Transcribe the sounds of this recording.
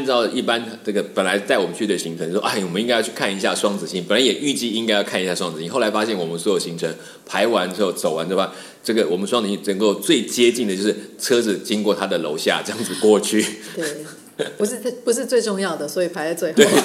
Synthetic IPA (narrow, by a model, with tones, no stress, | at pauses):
nt͡sɑ˥˩ʊlə˩ʔi˥˩pa˦nʈ͡ʂɤ˥˩ɡə˩pə˨˩nla˨˧˥ɪt͡sa˥˩ɪwɔ˨˩mə˦nt͡ɕʰy˥˩ə˨˩ɕi˧˥ŋʈ͡ʂʰə˧˦n˥˩˥wʔa˥˩˨wɔ˨˩ə˦ni˥ŋa˥jʊy˥˧kʰa˥˩ni˧ɕ̬ja˥˧ʂwɑ˥ŋt͡sɹ̩˨˩ɕi˥ŋpə˨˩nla˧˦ɪjɛ˨˩ʔy˥˧t͡ɕi˥˧i˥ŋka˥ɪjɑ˥˧ʊkʰa˥˩ni˧ɕja˥˩ʂwɑ˥ŋt͡s̩˨˩i˥xla˧˥ɪfa˥ɕjɛ˥˩nwɔ˨˩mə˦nswɔ˧˥jo˨˩ʊɕi˧˥nʈ͡ʂʰə˧˦ŋ | pʰa˧˥ɪwa˧˥nɻ̩˥xo˥˩ʊt͡so˨˩ʊwa˧˦nt̪wwa˥˩ | ʈ͡ʂɤ˥˩ɡə˩wɔ˨˩mə˦nʂ̬wŋt͡s̩˨˩ɕi˥˩nə˧˥ŋko˥˧ʊt͡swe˥˩ɪt͡ɕjɛ˥t͡ɕi˥˩ŋd̪ə˩t͡ɕjo˥˧ʊʂɻ̩˥˩t͡sʰɤ˥d͡zɹ̩˨˩t͡ɕi˥ŋkwɔ˥˩t̪ʰa˥d̪ə˨lo˧˥ʊɕja̰˥˧ʈ͡ʂɤ˧jɑ˥˩ŋd͡zɹ̩˨˩kwɔ˥˧t͡ɕʰy˥˩t̪ | u˧ʂ̩˥˧˥pu˧˥ʂ̬ɻ̩˥˧t͡swe˥˧ɪʈ͡ʂʊ˥˧ŋjɑ˥˩ʊd̪ə˩swɔ˧˥i˨˩pʰa˧˥ɪlt͡swe˥˧ɪxt̪we˥˧˩